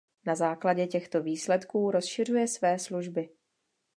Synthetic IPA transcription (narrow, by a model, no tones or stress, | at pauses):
nazaːklaɟɛcɛxt̪o̞viːslɛt̪kuːɾo̞sʃɪr̝ujɛsvɛːsluʒbɪ